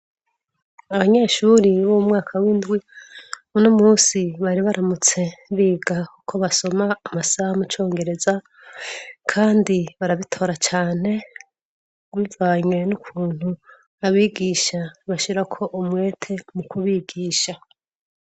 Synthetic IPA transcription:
aβaɲe̞ːʃuɾiβoumŋaːkʰawindɡwi | unomuːsiβaɾiβaɾamut͡se̞βiːɡakukʰo̞βaso̞maːmasahamut͡ʃo̞ːŋɡe̞ɾe̞za | kʰaːndiβaɾaβitʰo̞ːɾat͡ʃaːn̥e̞ | wivaːɲwe̞nukʰuːn̥hu | aβiːɡiːʃaβaʃiɾakʰo̞ʔumwe̞ːtʰe̞mukʰuβiːɡiːʃa

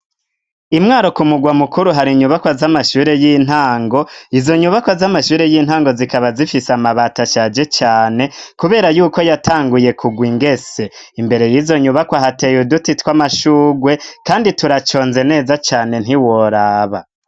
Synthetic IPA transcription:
imŋaːɾo̞kumuɡwamukuɾuɦaɾiɲuβakwazamaʃuːɾe̞jin̥haːŋɡo̞izo̞ɲuβakwazamaʃuːɾe̞jiːn̥haːŋɡo̞zikaβazifisamaβaːtaʃaːd͡ʒe̞t͡ʃaːne̞kuβe̞ːɾajuːko̞jatʰaːŋɡuje̞kʰuɡwiŋɡe̞se̞ | imbe̞ɾe̞jiːzo̞ɲuβakwaɦate̞judutitwamaʃuːɡwe̞kaːndituɾat͡ʃo̞ːnze̞ne̞ːzat͡ʃaːne̞n̥hiwoɾaːβa̰

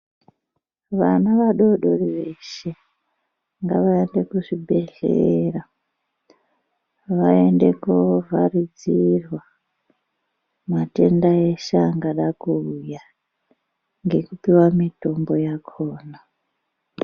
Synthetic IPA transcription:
ʋanaʋaɗoɗoriʋe̞ʃe̞ | ŋɡaʋaende̞kuʐibʱe̞ɮḛra | ʋae̞nde̞kovarid͡zirwa | mate̞ndaeʃaŋɡaɗakuuja | ŋɡe̞kupiwamito̞mbo̞jakʰoːna

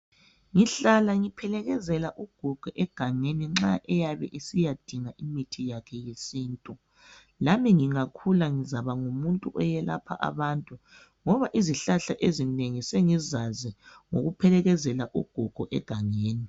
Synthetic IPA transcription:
ŋiɬalaŋipʰɛlɛɣɛzɛlaʔuɡ̥ʱuɡ̥ʱuʔɛɡ̥ʱaŋeniŋ͡ǁaʔɛjaβɛ̰ʔisijad̥ʱiŋaʔimitʰijakʰɛjesiːntʼu | lamiŋiŋakʰulaŋizaβaŋumuntʼuʔɔjɛla̰pʰa̰ʔa̰βantʼu | ŋɔβaʔiziɬaɬaʔezineŋiseŋizazi | ŋoɣupʰɛlɛɣɛzɛlaʔuɡ̥ʱuɡ̥ʱuʔɛ̰ɡ̥ʱaŋeːni

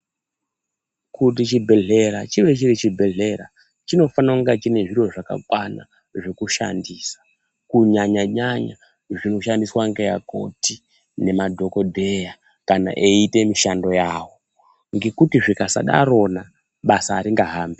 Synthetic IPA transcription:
kʰut̬it͡ʃibʱe̞ɮe̞ɾat͡ʃiʋe̞t͡ʃiɾit͡ʃibʱe̞ɮe̞ɾa | t͡ʃino̞fanauŋɡat͡ʃine̞ʐirwo̞ʐaka̰kwana̰ | ʐekuʃa̰ndiːsḁ | kuɲaɲaɲaɲa | ʐino̞ʃandiswaŋɡejako̞̰ti | ne̞madʱo̞ko̞dʱe̞ja | kana̰ʔe̞ite̞miʃando̞jaːwo̞ | ŋɡe̞kutiʐikasa̰ɗa̰ɾo̞na | ɓasaːɾiŋɡaɦaːmbe

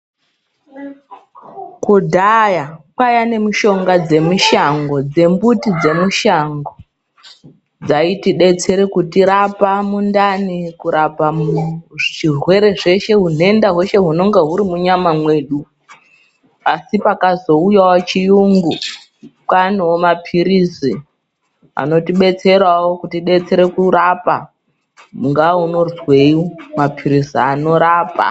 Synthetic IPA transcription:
kudʱajapajane̞muʃo̞ŋɡad͡ze̞muʃaŋɡo̞d͡ze̞mbutid͡ze̞muʃaŋɡo | d͡zaitiɗe̞t͡se̞ɾekutiɾapamundanikuɾapamʐʒirwe̞ɾe̞ʐe̞ʃe̞ɦun̤e̞ndaɦweʃe̞ɦuno̞ŋɡeɦuɾimuɲamamwe̞ːɗu | asipakazo̞ujawot͡ʃijuŋɡu | kanowomapʰiɾisi | a̰no̞tiɓe̞t͡se̞ɾawo̞kutiɗe̞t͡se̞ɾe̞kuɾapa | ŋɡauno̞zweiomapʰiɾisiano̞ɾaːpa̰

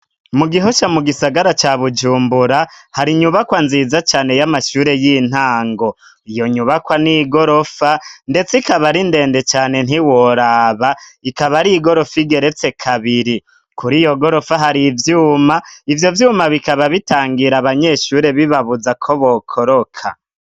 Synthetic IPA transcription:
muɡiɦo̞ʃamuɡisaɡaɾat͡ʃaβud͡ʒuːmbuɾahaɾiɲuβakwanzizat͡ʃaːne̞jamaʃuːɾe̞jin̥haːŋɡo̞ | ijo̞ɲuβakwaniɡo̞ɾo̞fande̞t͡sikaβaɾinde̞ːnde̞t͡ʃaːne̞n̥iwoɾaːβaikaβaɾiɡo̞ɾo̞fiɡe̞ɾe̞t͡se̞kʰaβiɾi | kuɾijo̞ɡo̞ɾo̞faɦaɾivjuːmaivjo̞vjuːmaβikaβaβitaːŋɡiɾaβaɲe̞ːʃuːɾe̞βiβaβuzakʰo̞βokʰoɾo̞kʰa̰

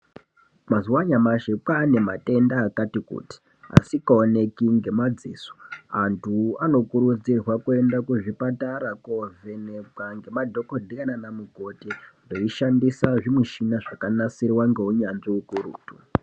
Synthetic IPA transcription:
mazuwaɲamaʃepaːne̞mate̞ndaːkatikṵti̥ | a̰sikaone̞kiŋɡe̞mad͡ziːso̥antʰuano̞kuɾud͡zirwakue̞ndakuʐipataɾakove̞nepaŋɡe̞madʱo̞kodʱikananamuko̞tindo̞iʃandisaʐimuʃinaʐakanasiriwaŋɡe̞uɲanʐiukuɾṵːtu

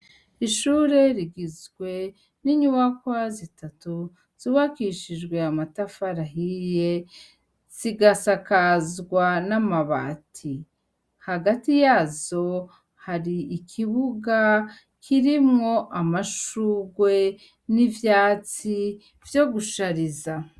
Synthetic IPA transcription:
iʃuɾe̞ɾiɡizɡwe̞ | niɲuwakwazitʰatu | z̥iwakiʃiʒɡwe̞amatafaɾaɦije̞ | z̥iɡasakazɡwanamaβa̰tʰi | haɡatijazo̞ | haɾiːkʰiβuɡa | kʰiɾimŋo̞ʔamaʃuɡwe̞ | nivjaːt͡si | vjo̞ɡuʃaɾiza

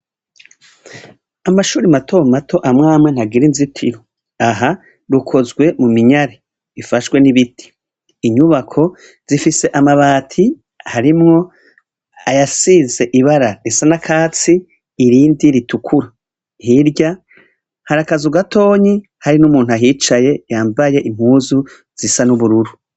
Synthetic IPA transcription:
amaʃuːɾimatʰo̞matʰo̞ʔamŋaːmwen̥haɡiɾinzitʰiɾo | aɦa | ɾukʰo̞zɡwe̞mumiɲaɾe | ifaʃwe̞niβitʰi̥ː | ɲuβakʰo̞ | z̥ifise̞ʔamaβaːtʰi | haɾimŋo̞ | ajasiːze̞ʔiβaɾaɾesanakʰaːt͡siː | ɾiːndiɾitukʰuɾa | hiɾɟa | haɾakazuɡatʰo̞ːɲi | haɾinumuːnuajiːt͡ʃaje̞jaːmbaje̞ʔim̥huːzu | z̥isanuβuɾuɾu

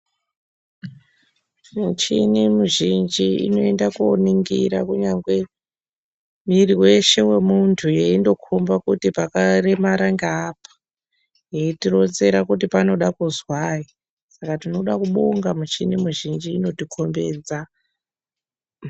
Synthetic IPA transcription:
mut͡ʃinimuʒind͡ʒiḭno̞e̞ndakuoniŋɡḭɾakuɲaŋɡwe̞ | miriwe̞ʃe̞we̞muntʰujeindo̞kʰombakutipakare̞maɾaŋɡaːpḁ | jeitiro̞nze̞ɾakut̬ipano̞ɗakuzwai | sakatino̞ɗakuɓoŋɡamut͡ʃinimuʒind͡ʒiːno̞tikʰo̞mbe̞ːd͡za

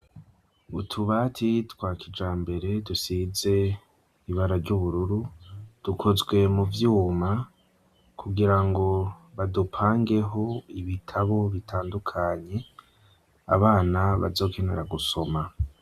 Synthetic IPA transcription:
utʰuβaːtʰitwaːkid͡ʒaːmbe̞ɾe̞dusize̞ | iβaɾaɾɟuβuɾuɾud̥ukʰozɡwe̞muvjuːma | kʰuɡiɾaŋɡo̞βadupʰaːŋɡe̞ɦo̞iβitʰaβo̞βitʰaːndukʰaɲe̞ | a̰βaːnaβa̰zo̞ːkʰe̞ne̞̰ɾaɡuso̞ma

